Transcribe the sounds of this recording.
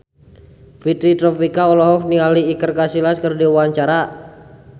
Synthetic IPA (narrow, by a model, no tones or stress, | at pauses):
fit̪ɾit̪ɾɔpikaɔlɔɦɔk̚nialiːkərkasilaskərdiwaɲt͡ʃaɾa